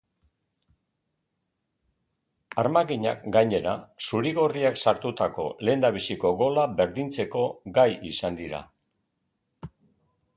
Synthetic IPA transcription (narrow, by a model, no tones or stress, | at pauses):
aɾmaɣiɲa̰kɡajɲe̞ɾa̰suɾiɣo̞riaksaɾt̪ut̪ako̞̰le̞ːnd̪aβ̞isiko̞ɣo̞labe̞ɾðint͡se̞ko̞ɡajisand̪iɾa̰